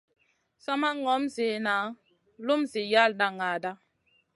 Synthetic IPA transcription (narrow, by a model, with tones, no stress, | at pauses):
sɔ˦ma˦ŋɔ˨˦mzi˨na˨˦ | lu˦mzi˨ja˦˨lnda˦ŋa˨da˦